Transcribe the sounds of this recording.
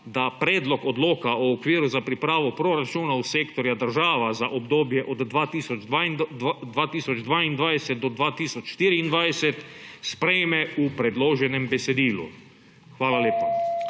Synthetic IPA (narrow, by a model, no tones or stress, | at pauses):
d̪apɾɛːd̪lɔkɔd̪loːkaɔːkʋiːɾuzapɾipɾaːʋɔpɾoɾat͡ʃuːnauseːkt̪ɔɾjad̪əɾʒaːʋazaʔobd̪oːbjɛʔɔd̪ːʋaːt̪iːsɔd͡ʒad̪ʋaːt̪iːsɔd͡ʒd̪ʋaːind̪ʋajsɛt̪̚d̪ɔd̪ʋaːt̪iːsɔt͡ʃʃt̪iːɾiind̪ʋajsɛt̪spɾɛjmɛupɾɛd̪loːʒɛnɛmbɛsɛd̪iːlṵ | xʋaːlaleːpa